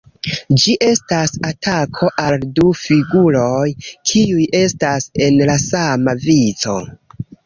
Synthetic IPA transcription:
d͡ʒiʔe̞stasatʰakʰo̞ʔaldufiɡuɾo̞jkʰiujʔe̞stase̞nlasamavizo̞

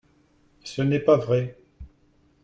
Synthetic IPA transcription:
sənɛpavʁɛ

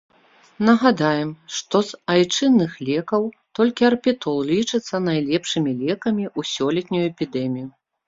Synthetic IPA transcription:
nɐɣad̪ajɛmʂt̪ɔzajt͡ʂɨnːɨxlʲɛkɐw | t̪ɔlʲkʲiɐrpʲit̪ɔlˠlʲit͡ʂɨt̪sːɐnajlʲɛpʂɨmʲilʲɛkɐmʲiʔusʲɔlʲɛt̪ʲnʲujuɛpʲid̪ɛmʲiju

